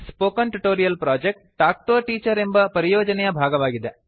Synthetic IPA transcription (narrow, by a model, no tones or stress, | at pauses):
spoːkɐnʈuʈoːɾijɐlpɾaːd͡ʒek̚ʈʈaːk̚ʈoːʈiːt͡ʃɐɾembɐpɐɾijoːd͡ʒɐnɛjɐbʱaːɡɐʋaːɡid̪e